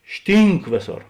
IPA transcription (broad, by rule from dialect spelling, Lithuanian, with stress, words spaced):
ˈʃʲtʲiːŋk ˈʋʲeːˌsoːr